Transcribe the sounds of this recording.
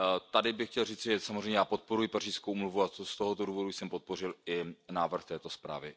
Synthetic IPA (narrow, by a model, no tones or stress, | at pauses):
t̪adɪbɪxcɛlriːt͡sɪʒɛsamozreɛjmɲɛjaːpo̞t̪̚poɾujɪpar̝iːskowʔumluvuatst̪oɦot̪oduːvo̞dujsɛmpo̞t̪̚po̞r̝ɪlɪnaːvr̩xt̪ɛːt̪o̞spɾa̰ːvɪ